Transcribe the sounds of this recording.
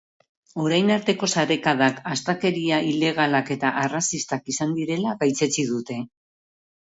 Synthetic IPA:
o̞ɾajnaɾt̪e̞ko̞saɾe̞kaðakast̪ake̞ɾiaile̞ɣ̞alake̞t̪aʔarasist̪akisand̪iɾe̞laɣajt͡se̞t͡sið̞ut̪e̞

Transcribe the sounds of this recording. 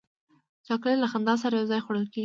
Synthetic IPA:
t̪ɑklelaxand̪ɑs̬aɾajawzɑjxwaɽəlkeɡ

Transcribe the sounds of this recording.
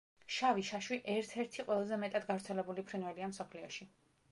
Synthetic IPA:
ʃaviʃaʃwiʔɛɾt̪ʰɛɾt̪ʰiqʼwɛlˠazɛmɛt̪ʼad̪ɡavɾt̪sʰɛlɛbulipʰɾinvɛliamsɔpʰliɔʃi

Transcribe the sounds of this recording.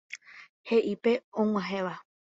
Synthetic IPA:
he̞ʔipe̞õŋ̃ʷãɦẽʋa

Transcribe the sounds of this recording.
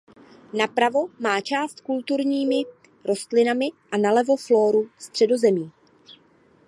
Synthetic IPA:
napɾavo̞maːt͡ʃaːst̪kult̪uɾɲiːmɪ | ɾo̞st̪lɪnamɪʔanalɛvo̞flo̞ːɾust̪r̝̥ɛdo̞zɛmiː

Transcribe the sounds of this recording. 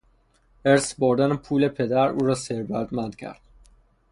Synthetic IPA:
eɾsboɾd̪ænepʰuːlepʰe̞d̪æɾṵːɾɒːseɾvæd̪mænd̪̥cʰæ̰ɾd̪̥̚

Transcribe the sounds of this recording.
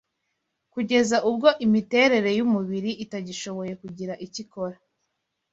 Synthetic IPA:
kuɟe̞zaʔub̚ɡo̞ʔimite̞ɾe̞ɾe̞jumuβiɾiʔitaɟiʃo̞βo̞je̞kuɟiɾaʔiciko̞ɾa

